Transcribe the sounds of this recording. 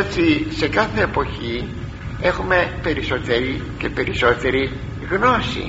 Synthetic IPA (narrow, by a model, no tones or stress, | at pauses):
et͡sise̞kɐθe̞ːpo̞çi | e̞xume̞pe̞ɾiso̞t̪eɾi | ce̞pe̞ɾiso̞t̪e̞ɾi | ɣno̞sḭ